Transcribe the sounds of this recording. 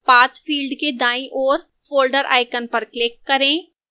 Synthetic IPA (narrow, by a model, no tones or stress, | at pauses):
paːt̪fʰiːlɖked̪aːĩʔɔːɾ | foːlɖəɾʔa̰ːɪkənpɐɾklɪkːɐɾẽː